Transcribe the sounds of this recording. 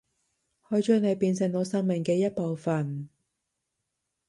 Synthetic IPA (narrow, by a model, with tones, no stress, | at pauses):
hɔː˨˧˥jt͡ʃœː˥ŋne˨˧jpiː˧nsɪ˨ŋno˨˧wsɐ˥ŋmɪ˨˩ŋkɛː˧jɐ˥t̚po˨˧wfɐ˨n